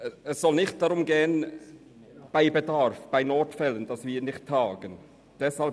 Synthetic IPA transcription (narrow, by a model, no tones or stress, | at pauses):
ɛssɔlnɪçt̚d̥ɑɾʊmɡeːən | b̥aɪbedaɾfb̥aɪnɔtfɛlənd̥ɑsviːnɪçtʰːɑːɡ̥ən | d̥ɛshal